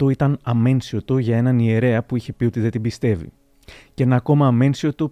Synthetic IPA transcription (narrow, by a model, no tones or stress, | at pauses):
t̪oit̪ɐnɐme̞nsio̞t̪uʝɐe̞nɐnie̞ɾe̞ɐpuiçe̞pio̞t̪iðe̞t̪ibist̪e̞vḭ | ce̞nɐːko̞mɐːme̞nsio̞t̪u